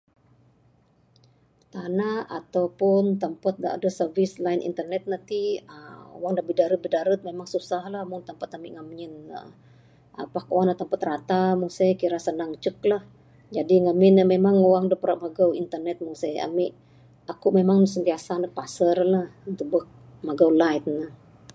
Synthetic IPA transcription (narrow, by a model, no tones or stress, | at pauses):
t̪anaat̪awpʊnt̪əmpat̪̚nda̰ʔa̰dəsərvislainʔḭnt̪ərnɛt̪̚nant̪iəo̰waŋdabidaɾət̪̚bədaɾət̪̚memaŋsusahlahmʊnt̪əmpat̪amɪʔŋamɲɪnə̰ | ʔa̰pakowaŋnat̪əmpat̪̚rat̪amusajkiɾasənaŋt͡ʃəklah | d͡ʒadiŋamɪnəmemaŋowaŋdəpəɾaʔmaɡawint̪ərnɛt̪̚musaja̰miʔ | akuʔmemaŋsənt̪iasanək̚pasərlahd̪ubək̚maɡawlajt̪̚nəh